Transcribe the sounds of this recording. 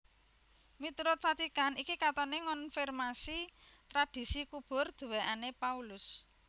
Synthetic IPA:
mit̪uɾʊt̪̚fat̪ikanikikat̪ɔneŋɔnfirmasit̪ɾad̥i̤sikub̥ʊ̤rd̪̥ṳweʔanepaulʊs

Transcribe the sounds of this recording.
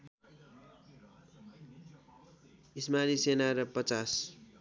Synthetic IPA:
ismanisenaɾʌpʌt͡sas

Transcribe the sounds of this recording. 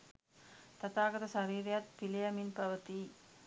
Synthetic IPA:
t̪ɐt̪aːɡɐt̪ɐsɐɾiːɾjat̪̚pilejɐminpɐʋɐt̪i

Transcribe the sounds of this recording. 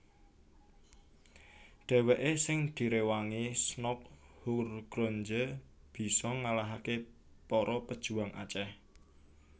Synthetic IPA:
ɖ̪̥ɛ̤weʔesɪŋd̪̥i̤ɾewaŋisnɔk̚hurɡ̥ɾoɲd͡ʒəb̥i̤sɔŋalaɦake | pɔɾɔpəd̥ʒ̥ṳaŋʔa̰t͡ʃɛh

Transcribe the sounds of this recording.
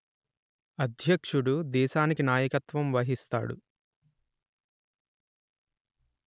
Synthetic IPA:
ɐd̪ʱjɐkʂuɽud̪ɛːʃaːnikinaːjɐkɐt̪ʋɐmʋɐɦist̪a̰ːɽṵ

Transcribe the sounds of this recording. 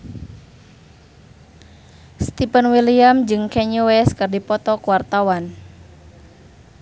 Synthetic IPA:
st̪ipənwiliamd͡ʒɨŋkɛɲuwɛskɨrdipɔt̪ɔkuwart̪awan

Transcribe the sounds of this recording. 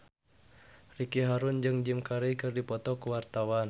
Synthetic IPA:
rikiɦaɾund͡ʒɨŋd͡ʒimkaɾejkɨrdipɔt̪ɔkuwart̪awan

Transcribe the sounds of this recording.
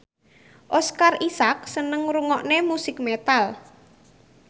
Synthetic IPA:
ʔɔskarisak̚sənəŋɾuŋɔʔnemusɪk̚met̪al

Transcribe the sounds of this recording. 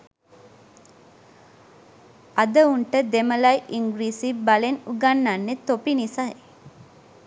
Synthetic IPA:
ɐd̪əuɳʈəd̪emɐlɐjʔiŋɡɾiːsibɐlenuɡɐnːanːet̪opinisɐj

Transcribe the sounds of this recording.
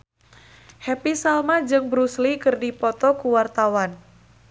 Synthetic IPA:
hɛpisalmad͡ʒɨŋbɾuslikɨrdipɔt̪ɔkuwart̪awan

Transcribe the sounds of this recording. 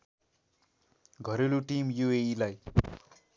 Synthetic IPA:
ɡʱʌɾeluʈimjueilaj

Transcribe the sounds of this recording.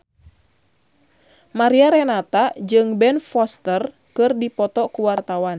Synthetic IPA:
maɾiaɾɛnat̪ad͡ʒɨŋbɛnfɔst̪ər | kɨrdipɔt̪ɔkuwart̪awan

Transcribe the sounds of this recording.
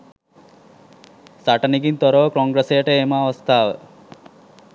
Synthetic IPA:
saʈaniɡint̪ɔɾɔʋkɔŋɡɾesejəʈeemaːʋɔst̪ʰaːʋə

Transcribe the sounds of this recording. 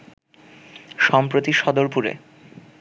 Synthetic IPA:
ʃɔmpɾot̪iʃɔd̪oɾpuɾḛ

